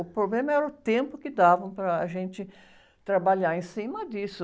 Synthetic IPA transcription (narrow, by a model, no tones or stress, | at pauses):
ʊpɾoblẽmɐɛɾɐʊt̪ẽmpʊkɪd̪avɐ̃w̃pɾɐːʒẽnt͡ʃɪ | t̪ɾabaʎaɾẽsĩmɐd̪isʊ